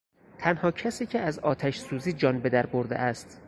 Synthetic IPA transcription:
t̪ʰænhɒːcʰæsiːcʰeæzɒːt̪ʰæʃsuːziːd͡ʒɒːnbe̞d̪æɾboɾd̪ḛʔæst̪

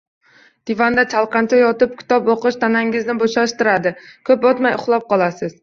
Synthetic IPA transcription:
d̪̥ɪvand̪at͡ʃʰalˠqɑnt͡ʃʰajɒt̪ɪp̚kʲʰɪ̥t̪ɒpoqɨʃt̪ʰanaŋɪznɪboʃaʃt̪ɪɾad̪ɪkʰɵpɒt̪majʊχlˠɒp̚qɒlˠasɪz̥

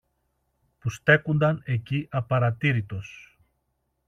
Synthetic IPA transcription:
pust̪e̞kund̪ɐne̞ciʔɐpɐɾɐt̪iɾit̪o̞s

